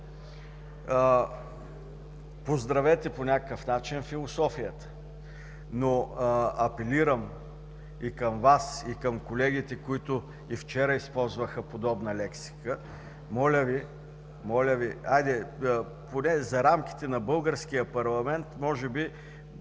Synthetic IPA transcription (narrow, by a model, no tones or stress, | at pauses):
pozd̪ɾɐvɛt̪ɛponʲakəkəfnat͡ʃinfilˠosɔfijət̪ə̥ | noɐpɛliɾəm | ikɐmvasikəmkolɛɡit̪ɛkoit̪ʊ | ift͡ʃɛɾəispɔlˠzvəxəpod̪ɔbnəlɛksi̥kə | mɔlʲəvi | mɔlʲəviajd̪ɛ | ponɛzɐɾamk̟i̥t̪ɛnɐbɤlˠɡəɾsk̟ijəpɐɾlˠɐmɛnt̪mɔʒɛbi